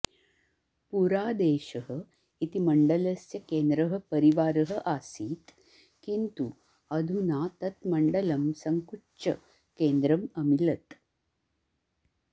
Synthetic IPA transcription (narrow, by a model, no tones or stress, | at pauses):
puɾaːd̪eːʃɐɦə | it̪imɐɳɖɐlɐsjɐkeːnd̪ɾɐɦɐ̆pɐɾiʋaːɾɐɦɐ̆ʔaːsiːt̪ | kint̪u | ɐd̪ʱunaːt̪ɐt̪mɐɳɖɐlɐmsɐŋkuʈt͡ʃɐ̰ | keːnd̪ɾɐmɐmilɐt̪